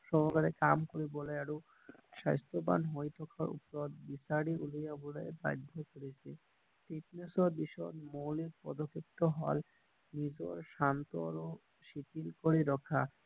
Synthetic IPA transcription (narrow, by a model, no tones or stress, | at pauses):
ʃɔɦɡaɾekamkoɾiboleaɽu | ʃajst̪oba̰nɦojt̪ʰɔkʰaɾṵpɾod̪bisaɽiʔulijaboleba̰jd̪ʱokoɾit͡ɕʰi | t̪iʈnesoɾbiʃɔnmowliɾpɔ̰d̪okʰːep̚t̪oɦɔl | nid͡ʑoɾʃant̪oɾo | ʃit̪ilkoɾiɾɔkʰa